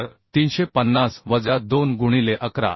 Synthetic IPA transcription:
ɾt̪iːnɕepənːasʋəd͡zad̪onɡuɽ̃ileʔəkɾa̰

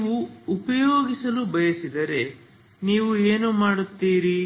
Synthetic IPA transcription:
iʋuːpɐjoːɡisɐlubɐjɐsid̪ɐɾe̞ | niːʋueːnumaːɽut̪ːiːɾi

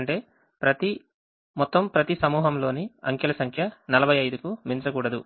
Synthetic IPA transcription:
ɳʈe̞ː | pɾɐt̪i | mɔt̪ːɐmpɾɐt̪isɐmuːɦɐmlo̞ːniɐ̰ŋkɐlɐsɐŋkʰjɐnɐlɐbʱɐjɐjd̪ukumint͡ʃɐkuːɽɐd̪u

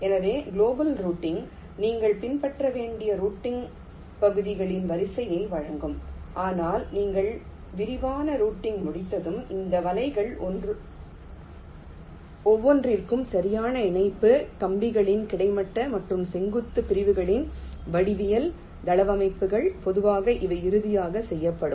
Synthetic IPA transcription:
ɛnɐðeːɡɪloːbɐlɾuːʈːɪŋ | niːŋɡɐɭpɪnpɐʈrɐʋeːɳɖɪjɐɾuːʈːɪŋ | pɐɣɯðɪɣɐɭɪnʋɐɾɪsɐjɐɪʋɐɻɐŋɡɯmʔaːnaːlniːŋɡɐɭ | ʋɪɾɪʋaːnɐɾuːʈːɪŋɡmʊɽɪt̪ːɐðɯmɪnd̪ɐʋɐlɐɪɣɐɭɔnɯ | ɔʋːɔndrɪrkɯmsɐɾɪjaːnɐɪɳɐɪpːɯk̪ɐmbɪɣɐɭɪnkɪɽɐɪmɐʈːɐmɐʈrɯmsɛŋɡɯt̪ːɯpɪɾɪʋɯɣɐɭɪn | ʋɐɽɪʋɪjɐl | d̪ɐlɐʋɐmɐɪpːɯɣɐɭpɔðɯʋaːɣɐʔɪʋɐɪɪɾɯðɪjaːɣɐsɛjːɐpːɐɽɯm

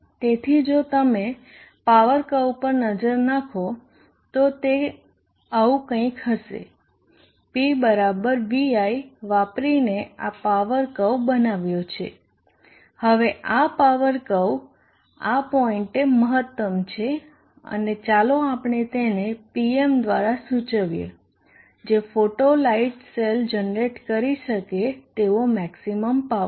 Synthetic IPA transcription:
t̪et̪ʰid͡ʒot̪əme | paʋəɾkəwpəɾnəd͡ʒəɾnakʰo | t̪ot̪e | əũkə̃ĩkhɦəʃḛ | pibəɾabəɾʋiaiʋapɾinea̰paʋəɾkəwbənaʋjot͡ʃʰḛ | həʋeʔapaʋəɾkəw | apɔiɳʈeməɦət̪ːəmt͡ʃʰe | ə̰net͡ʃaloapɳ̃et̪enepiemd̪ʋaɾasut͡ʃəʋjḛ | d͡ʒefoʈolaiʈseld͡ʒənɾeʈkəɾiʃəket̪eʋomɛksiməmpa

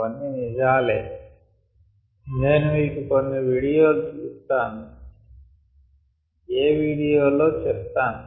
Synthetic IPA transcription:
ɐnːinid͡ʒaːleː | neːnumiːkikonːeʋiːɽijo̞ːlut͡ʃuːst̪aːn | eːʋiːɽijoːlo̞ːt͡ʃɛp̚t̪aːnu

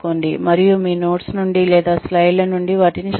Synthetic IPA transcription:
koːnd̪imɐɾijumiːno̞ːʈsnuɳɖilɛːd̪aːslɐjlɐnuɳɖiʋaːʈinit͡ʃ

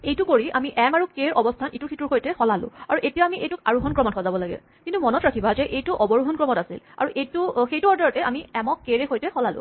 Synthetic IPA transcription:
ejtukoɹiʔamiʔɛmaɹukeɹɔbɔstʰanituɹxʰituɹxojtɛxɔlalʊ̰̃aɹuʔetijaamiʔejtuka̰ɹuɦɔnkɹɔmɔtkʰɔzabɔlaɡɛ̰ | kintumɔnɔtɹakʰibazɛʔejtuʔɔbɔɹuɦɔnkɹɔmɔtasḭla̰ɹuʔejtuxejtuɔɹdɔɹɔtɛʔa̰miɛmɔkːeɹɛxojtɛxɔlalʊ̰̃

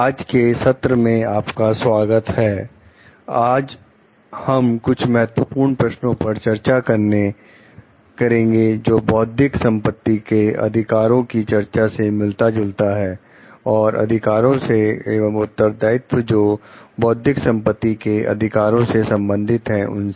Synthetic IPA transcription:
aːd͡ʒkesɐt̪ɾəmẽaːpkaswaːɡət̪hɛː | aːd͡ʒ | hɐmkʊt͡ʃʰmɛɦət̪wəpuːɾɳpɾɐʃnõpɐɾt͡ʃɐɾt͡ʃakɐɾne | kɐɾẽːŋɡed͡ʒoːbɔːd̪ʱɪksɐ̃mpət̪ːikeɐ̰d̪ʱɪkaːɾõkit͡ʃɐɾt͡ʃasemɪlt̪ad͡ʒʊlt̪aɦɛː | ɔːɾʔɐ̰d̪ʱɪkaːɾõseeːʋəmʊt̪ːəɾd̪aːɪt̪wd͡ʒoːbɔːd̪ʱɪksɐ̃mpət̪ːikeɐ̰d̪ʱɪkaːɾõsesɐ̃mbə̃nd̪ʱɪt̪ɦɛ̃ʊ̰ns

